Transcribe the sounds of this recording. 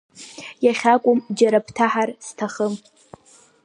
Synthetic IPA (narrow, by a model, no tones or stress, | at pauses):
jaχʲakʷʼʊmd͡ʒaɾapʰtʰaħarstʰaχəm